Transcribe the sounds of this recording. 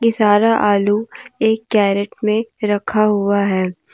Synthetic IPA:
kɪsaːɾaʔaːlueːkːɛːɾeʈ̚mẽɾɐkʰaɦʊaɦɛː

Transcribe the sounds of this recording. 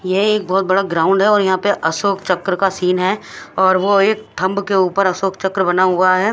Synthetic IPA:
jeeːk̚bɔːt̪̚bɐɽaɡɾaːʊ̃ɳɖɦɛɔːɾjɐɦãpeʔɐsoːkʰt͡ʃɐkːɾəkasiːnɦɛɔːɾʋoeːk̚ʈ̪ʰɐ̃mbkeuːpəɾɐsoːkt͡ʃɐkɾbɐnaɦʊɡaɦɛː

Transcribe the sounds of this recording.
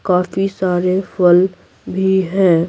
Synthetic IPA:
kaːfisaːɾefəl | bʱiɦɛ̃ː

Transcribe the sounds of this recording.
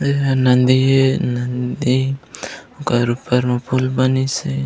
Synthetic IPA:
anand̪ienand̪i | ukaɾupaɾmapʰulbanise

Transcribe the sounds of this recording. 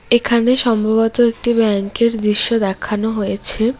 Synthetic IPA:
ekʰaneʃɔmbʱabot̪oek̚ʈibɛŋkeɾd̪ɾiʃːod̪ɛkʰanoɦojet͡ɕʰe

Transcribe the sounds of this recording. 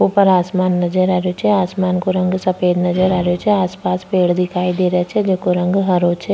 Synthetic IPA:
opɐɾaːsmaːnːɐd͡ʒəɾaːɾjot͡ʃʰɛaːsmaːnkoɾɐ̃ŋɡsɐfeːd̪nɐd͡ʒəɾaːɾot͡ʃʰɛaːspaːspeːɽd̪ɪkʰaːid̪eːɾt͡ʃʰɛd͡ʒoːkoɾɐ̃ŋɡɦɐɾoːt͡ʃʰɛ

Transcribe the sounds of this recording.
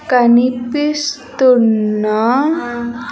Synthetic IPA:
kanipist̪una

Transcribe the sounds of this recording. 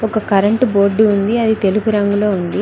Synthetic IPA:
ɔkɐkɐɾɐɳʈbo̞ːɾɖːuund̪iɐd̪it̪e̞lupuɾɐŋɡulo̞ːund̪i

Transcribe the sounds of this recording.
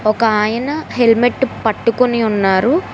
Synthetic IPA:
ɔkɐaːjɐnɐɦe̞lmeʈːpɐʈːukoniunːaːɾu

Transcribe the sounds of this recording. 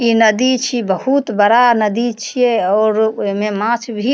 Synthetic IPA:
inəd̪it͡ʃʰibəɦut̪bəɾanəd̪it͡ʃʰieɔːɾoɦmẽmãt͡ʃʰbʱi

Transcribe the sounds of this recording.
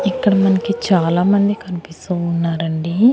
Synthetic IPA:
ikːɐɽɐmɐnɐkit͡ʃaːlaːmɐnd̪ikɐnipist̪uːunːaːɾɐɳɖi

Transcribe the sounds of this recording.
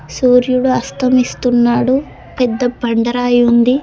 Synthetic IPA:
suːɾjuɽuɐst̪ʰɐmist̪unːaːɽu | pɛd̪ːɐbɐɳɖɐɾaːjund̪i

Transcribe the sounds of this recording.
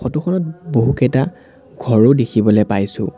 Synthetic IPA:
xɔtuxʰɔnɔt̚boɦukɛta | ɡʱɔɹʊdekʰibɔlɛpajsʊ̰̃

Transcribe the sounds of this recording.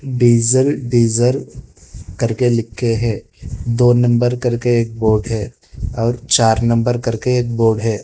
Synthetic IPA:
ɖiːzəlɖiːzəl | kɐɾkelɪkʰːeɦɛ̃ː | d̪oːnɐ̃mbəɾkɐɾkeeːk̚boːɖɦɛː | ɔːɾt͡ʃaːɾnɐ̃mbəɾkɐɾkeeːk̚boːɖɦɛː

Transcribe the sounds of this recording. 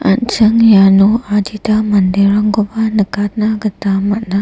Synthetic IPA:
a̰nt͡ʃəŋjanuad͡ʒit̪amand̪iɾaŋɡobanəkat̪naɡət̪amatna

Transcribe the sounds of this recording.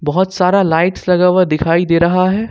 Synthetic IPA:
bɐɦʊt̪saːɾalaːɪʈslɐɡaːwad̪ɪkʰaːid̪eːɾɐɦaɦɛː

